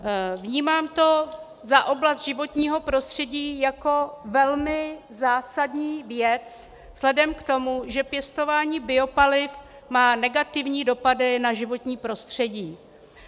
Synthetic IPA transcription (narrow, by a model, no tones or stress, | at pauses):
vɲiːmaːmt̪o̞ | zaʔo̞blast̪ʒɪvo̞t̪ɲiːɦo̞pɾo̞st̪r̝̥ɛɟiːjako̞vɛlmɪzaːsadɲiːvjɛt͡s | z̥lɛdɛmkt̪o̞muʒɛpjɛst̪o̞vaːɲiːbɪo̞palɪf | maːnɛɡat̪ɪvɲiːdo̞padɪnaʒɪvo̞t̪ɲiːpɾo̞st̪r̝̥ɛɟiː